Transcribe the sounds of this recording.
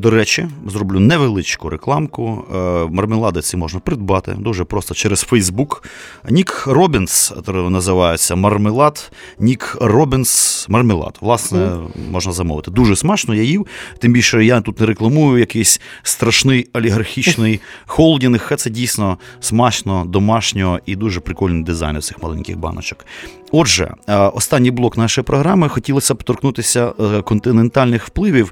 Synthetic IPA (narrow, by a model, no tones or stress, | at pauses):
d̪ɔɾɛt͡ʃɪzɾɔblʲunɛʋelˠɪt͡ʃkʊɾʔeklˠɑmkʊmɐrmɪlˠɑd̪ɪsʲimɔʒnɐpɾɪd̪̚bɑt̪ɪ̰d̪uʒɛpɾɔst̪ɔt͡ʃɛɾɛsfɛjzbuknʲikrɔbʲɪnst̪nɐzɪʋɑjet͡sʲːɐmɐrmɪlˠɑt̪ | nʲikrɔbɪnsmɐrmɪlˠɑ̰t̪ʋlˠɑsnɛmɔʒnɐzɐmɔ̰ʋɪt̪ɪd̪uʒɛsmat͡ʃnɔjajiwt̪ɪmbʲilʲʃɛjat̪ut̪nɛɾeklˠɐmujʊjɐkɛsʲst̪ɾɐʃnɪjɔlʲiɦɐrxʲit͡ʃnɪjxɔlˠdʲinɪxxɛt̪sɛdʲijsʲnɔsmɑʃnɔd̪ɔmɑʃnʲɔɦɔʔid̪uʒɛpɾɪkɔlʲnɪjd̪ɪza̰jnɪwt̪sɪxmɐlˠɛ̰nʲkʲɪ̰ɣbɑ̰nɔ̰t͡ʃɔ̥k | ɔʒɛ̰ɔst̪ɑnʲːijblˠɔknɑʃɔjipɾʔɔɦɾɑmɪxɔtʲilˠɐsʲɐpt̪ɔrknut̪ɪsʲɐkɔnt̪ɪnent̪ɑlʲnɪxwplˠɪʋʲiw